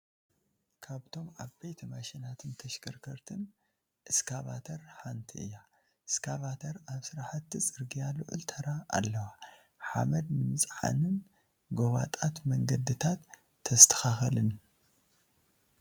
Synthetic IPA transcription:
kʰaβt̪ʰo̞mʕaβbejt̪ʰɐmaʃɛnat̪ʰɨnt̪ʰɐʃkʰɐɾkʰɐɾt̪ʰɨn | ʔɨskʰaβat̪ʰɐɾħant̪ʰiʔɨ̰jːa | ʔɨskʰaβat̪ʰɐɾaβsɨɾaħat̪ːit͡sʼɨɾɡijalɨʕʊ̰lt̪ʰɐɾa̰ːlːɐwa | ħa̰mɐd̪nɨmɨsʼħa̰nɨn | ɡoβat̪ʼat̪mɐŋɡɐd̪ɨt̪ʰat̪ʰː | ɐst̪ʰɐ̥xaxɐlɨn

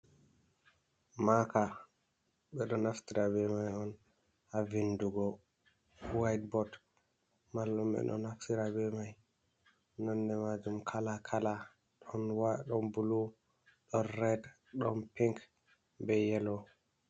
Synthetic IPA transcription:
maka | ɓɛɗɔnaftiɾabɛmajɔn | havinduɡɔ | wajt̚bɔd | malːumɓɛ̰ɗɔ̰naftiɾabɛmaj | nɔnːdɛmad͡ʒumkʰalakʰala | ɗɔnwaɗɔnbulu | ɗɔnɾɛd | ɗɔnpiŋk | bɛjɛlɔ

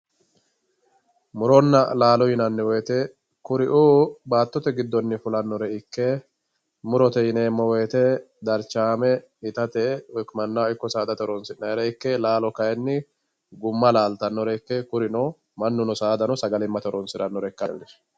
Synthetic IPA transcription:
mʊɾɔnːɐlaːlɔjɪnɐnːɪweːt̪ɛ | kʊɾɪʔuːbaːt̪ːɔt̪ɛɡɪd̪ːɔnːɪfʊlɐnːɔɾɛɪkːɛ | mʊɾɔt̪ɛɪneːmːɔweːt̪ɛ | d̪ɐɾt͡ʃːaːmɛ | ɪt̪ɐt̪ɛwɛkmɐnːaɪkːɔsaːd̪ɐt̪ɔɾɔnsɪnːɐɾɛɪkːɛlaːlɔkɐjɛnːɪ | ɡʊmːɐlaːlt̪ɐnːɔɾɛɪkːɛkʊɾɪnɔ | mɐnːʊnɔsaːd̪ɐnɔsɐɡɐlɪmːɐt̪ɔɾɔnsɪɾɐnːɔɾɛkːɐnd̪ɪ

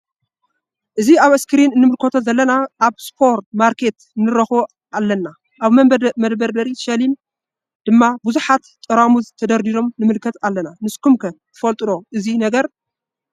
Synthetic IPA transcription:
ʔɨziaβɨskʰɨɾinɨnːɨmɨlkʰot̪ʰozɐlːɐnaʔːβspʰo̞ɾt̪maɾkʰe̞t̪ | ɨnːɨɾɐxo | alːɐnːa | ʔaβmɐd̪bɐɾbɐɾiʃɐlim | d̪̥ɨmːabuzuħat̪t̪ʼːɨɾamuzt̪ʰɐd̪ɐɾd̪iɾo̞mnɨmɨlkʰɐt̪alːɐnanɨskʰumkʰɐt̪ʰɨfɐlt̪ʼɨdo̞ʔɨzinɐɡɐɾ

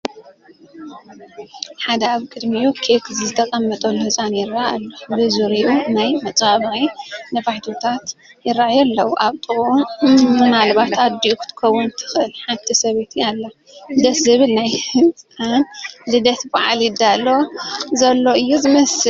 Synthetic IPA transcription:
ħad̪ɐaβkʼɨd̪mijokʰekzizɨt̪ʰɐkʼɐmːɐt̪ʼɐlːuhɨt͡sʼanjɪrːaalːobɨzuɾiʔunajmɐt͡sʼaβɐɣinɐfaħt̪ʰot̪ʰat̪ | jɪɾːaʕjɐlːɐwʔaβt̪ʼɨɣu | nalβat̪ad̪iʔukʰɨ̥t̪ʰɨ̥kʰowːunt̪ʰɨ̥xʔɨlħant̪ʰisɐβet̪ʰjalːa | d̪ɐt̪zɨβɨlnajhɨt͡sʼanlɨd̪ɐt̪baʕaljɪd̪alːo̞zɐlːo̞ɨjːuzɨmɐsɨ

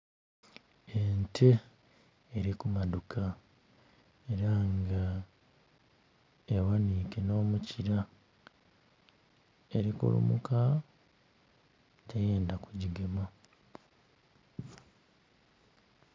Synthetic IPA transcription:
entʰe̞ː | ɾikumadukʰa | e̞ɾaŋɡa | ewanikeno̞ːmuciɾa | e̞ɾikṵlṵmṵka | tʰeje̞ːndakuɟiɡe̞ma

